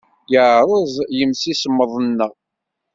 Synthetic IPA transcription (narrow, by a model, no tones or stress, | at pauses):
jəʕɾˤəzˤjəmsisəmːəðˤənːə